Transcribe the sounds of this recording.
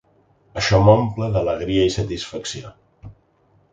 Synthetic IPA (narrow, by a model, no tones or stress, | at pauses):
əʃɔmompləðələɣ̞ɾiəisət̪isfəksio